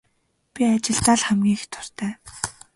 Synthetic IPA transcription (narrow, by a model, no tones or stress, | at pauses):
pʲiat͡ɕɪ̆ɮt͡s̪aːɮχæmɡʲiːxt̪ʰʊ̥r̥t̪ʰæː